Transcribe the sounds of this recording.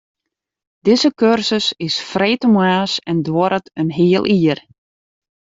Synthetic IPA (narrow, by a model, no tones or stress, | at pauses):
d̥ɪzəkørsəsɪsfrɛjtəmaːsɛndwɔɾətənɦɪːəlˠʔiːər